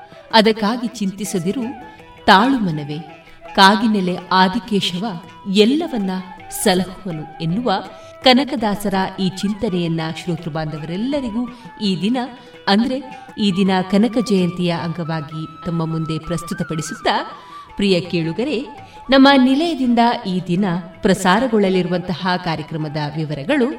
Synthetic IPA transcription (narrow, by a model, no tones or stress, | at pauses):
ɐd̪ɐkːaːɡit͡ʃint̪isɐd̪iɾu | t̪aːɭumɐnɐʋe | kaːɡinele̞aːd̪ʱikeːʃɐʋɐ | ɛlːɐʋɐnːɐsɐlɐhuʋɐnuenːuʋɐ | kɐnɐkɐd̪aːsɐɾɐiːt͡ʃint̪ɐnɛjɐnːɐʃɾoːt̪ɾɐbaːnd̪ɐʋɐɾɛlːɐɾiɡuiːd̪inɐ | ɐnd̪ɐɾe̞ | iːd̪inɐkɐnɐkɐd͡ʒɐjɐnt̪ijɐʔɐŋɡɐʋaːɡit̪ɐmːɐmund̪e̞pɾɐst̪ut̪ɐpɐɽisut̪ːɐ | pɾijɐkeːɭuɡɐɾe̞ | nɐmːɐnilɐjɐd̪ind̪ɐʔiːd̪inɐpɾɐsaːɾɐɡɔɭɐliɾuʋɐnt̪ɐhɐkaːɾjɐkɾɐmɐd̪ɐʋiʋɐɾɐɡɐɭu